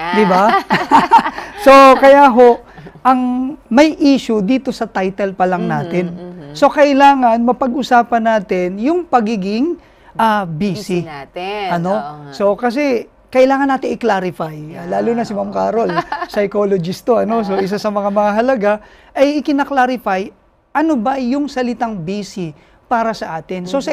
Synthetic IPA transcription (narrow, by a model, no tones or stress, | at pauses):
d̪ɪba | so̞kɐjaɦo̞ʔ | ʔɐŋmɐjʔiːʃʊd̪iːt̪o̞sɐt̪ajt̪ɛlpɐlɐŋnaːt̪ɪnso̞kɐʔɪlaːŋɐnmɐpɐɡ̚ʔʊsaːpɐnaːt̪ɪnjʊŋpɐɡiːɡɪŋ | ʔabiːsɪʔɐno̞so̞kɐs̬ɛ | kɐʔɪlaːŋɐnːaːt̪ɪŋɪklaːɾɪfajalaːluːnɐsɪmamkaːɾo̞lsɐjkolod͡ʒɪst̪oʔɐno̞s̬o̞ʔɪs̬asɐmɐŋamɐŋaɦɐlɐɡaʔɐjɪkɪnɐklaːɾɪfaj | ʔɐnobɐjʊŋsɐlɪt̪aŋbiːsɪ | paːɾɐsɐʔaːt̪ɪnso̞sɐ